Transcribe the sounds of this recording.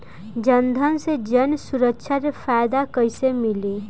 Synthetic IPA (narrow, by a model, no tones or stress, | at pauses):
d͡ʒʌnd̪ʱʌnsed͡ʒʌnsuɾʌkt͡ʃʰaɾepʰajd̪akʌjsemili